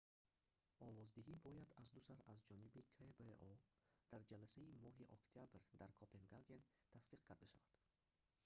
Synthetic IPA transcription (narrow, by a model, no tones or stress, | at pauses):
ɔvɔzd̪iɦibɔjad̪azd̪usaɾazd͡ʒɔnibikʰebeɔd̪̥aɾd͡ʒalasaimɔɦiʔɔ̰kt̪ʰijabɾd̪aɾkʰopʰenɡaɡen | t̪ʰasd̪iqkʰaɾd̪aʃavad̪̥